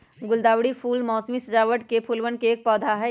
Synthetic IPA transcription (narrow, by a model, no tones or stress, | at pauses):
ɡʊld̪aːwɽipʰuːlmɔːsmisɐd͡ʒaːʋəʈkepʰulʋənkeːk̚pɔːd̪ʱaɦɛ